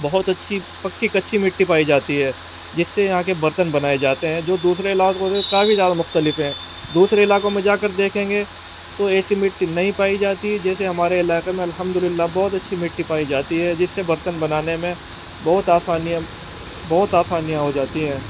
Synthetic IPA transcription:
bɐɦʊt̪ɐtːʃʰi | pɐkːikɐtːʃʰimɪʈːipaːid͡ʒaːt̪iɦɛː | d͡ʒɪsːejɐɦãk̬ebɐɾt̪ənbɐnaːed͡ʒaːt̪eɦɛ̃ːd͡ʒoːd̪uːsɾeɪlaːkõsekaːfizjaːd̪amʊxt̪əlɪfɦɛ̃ː | d̪uːsɾeɪlaːkõmẽd͡ʒaːkəɾd̪eːkʰẽːŋɡe | t̪oɛːsimɪʈːinɐɦĩpaːid͡ʒaːt̪iɦɛd͡ʒɛːseɦɐmaːɾeɪlaːɪqemẽɐlɦəmd̪ʊlɪlːabɔːʊt̪ɐtːʃʰimɪʈːipaːid͡ʒaːt̪iɦɛd͡ʒɪsːebɐɾt̪ənbɐnaːnemẽ | bɐɦːʊt̪aːsaːnijã | bɐɦʊt̪aːsaːnijãɦod͡ʒaːt̪iɦɛ̃ː

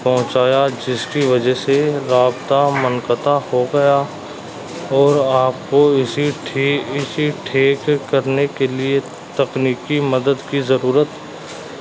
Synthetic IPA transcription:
pɐɦʊ̃t͡ʃaːjad͡ʒɪskiʋɐd͡ʒəɦseɾaːbt̪amɐŋkət̪ahoɡɐja | ɔːɾaːp̚koɪsiʈʰːɪsiʈʰeːkːɐɾnekelie | t̪ɐqniːkimɐd̪əd̪kizɐɾuːɾət̪

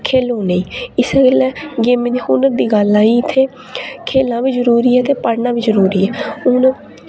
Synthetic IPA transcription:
kʰeːlɦoːneːɪsɡeːlɛːɡeːmẽd̪iːkuːnəɾd̪iːɡəlaːiːɪt̪ʰːeː | kʰeːlãːʋiːzəɾuːɾiːɛːt̪eːpəɽnãːʋiːzəɾuːɾiːɛːʊn

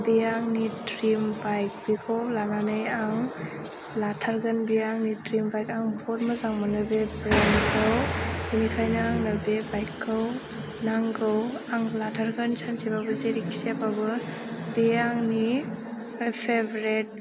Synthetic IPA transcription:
bijaŋnitɾimbajk̚bikʰawlananɯjaŋ | latʰaɾɡanbijaŋnitɾimbajkaŋbʰɔɾmazaŋmanɯbebɾankʰɯwunikʰajnaaŋnɐbebajkʰːɯw | naŋɡɯwaŋlatʰaɾɡansʰansebabɯzeɾiksebabɯ | bijaŋni | pʰebɾet̚

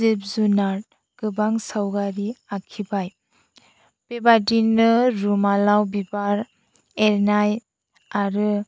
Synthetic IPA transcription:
ip̚zunaɾ | ɡ̥ɯbaŋsawɡaɾiakʰibaj | b̥ebadinɯɾumalawbibaɾ | eɾnaj | aɾɯ

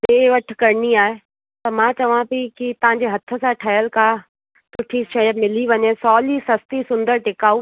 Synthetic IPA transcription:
ɗeːʋɐʈʰkɐɾniaːɦe | t̪ɐmãt͡ɕɐʋ̤ãbikit̪ɐʋ̤ãɲ̆d͡ʑeɦɐt̪ʰə̆sãʈʰɐjəlkʰaː | sʊʈʰiʃɐjəd̪mɪliʋɐɲesɔːlisɐst̪isʊ̃nd̪əɾʈɪkaːu

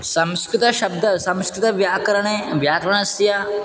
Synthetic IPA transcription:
sɐ̃mskɾɪt̪ɐʃɐb̚d̪ʱɐsɐ̃mskɾɪt̪ɐʋjaːkɾɐɳ̃eʋjaːkɾɐɳ̃ɐsja

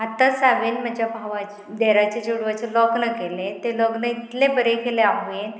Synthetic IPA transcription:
ɦat̪ːəsaʋenməd͡ʑabʱaʋa | d̪eɾat͡ɕed͡ʑuɽʋat͡ɕelɔknəkelet̪elɔɡnəit̪lebəɾekeleaɦen

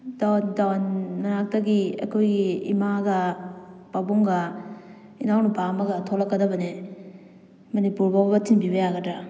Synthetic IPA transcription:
dawndawnːanak̚taɡia̰kʰojɡḭːmaɡab̥aboŋɡa | inawnubamaɡatʰolakːadabɐne | mɐnipuɾbabbɐtʰinbibajaɡada

